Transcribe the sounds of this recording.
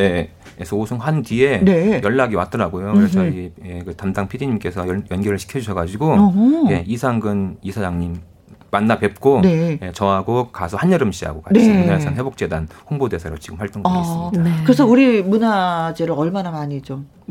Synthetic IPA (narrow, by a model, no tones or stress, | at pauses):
e | esʰoosʰoŋhantie̞ne̞jʌɭːaɡiwa̰t͈ʌɾaɡojokɯɾet͡ɕʌiekɯtamdaŋpʰidiɲimk͈e̞sʰʌjjʌnɡʌɾɯɭɕʰi̥kʰjʌd͡ʑuɕʰʌɡad͡ʑiɡojeisʰaŋɡɯnisʰad͡ʑaŋɲimː | anːape̞p̚k͈one̞jet͡ɕʌɦaɡokasʰohaɲjʌɾɯmɕiɦa̰ɡokaneiesanhe̞bok̚t͡ɕ͈e̞danhoŋbode̞sʰaɾo̰t͡ɕiɡɯmɸaɭt͈oŋɡʌkasɯɲidkɯɾes̬ʰʌuɾimunad͡ʑeɾɯʌɭmanamaɲit͡ɕom